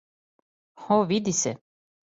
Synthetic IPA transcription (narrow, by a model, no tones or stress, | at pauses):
xoʋid̪isɛ̰